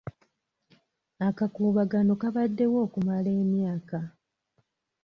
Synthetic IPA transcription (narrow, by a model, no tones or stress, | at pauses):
akakuːβaɡano̞kaβadːe̞wo̞ːkumale̞ːmjaːka